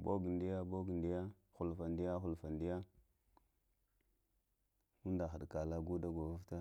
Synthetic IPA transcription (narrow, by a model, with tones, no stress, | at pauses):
bo˦ɡi˨ndi˦ja˦bo˦ɡi˨ndi˦ja˦ | xu˨lfa˨ndi˦ja˦xu˨lfa˨ndi˦ja˦ | u˦n˦da˨xa˨ɗka˨la˦ɡu˦da˦ɡo˨vu˦fta˦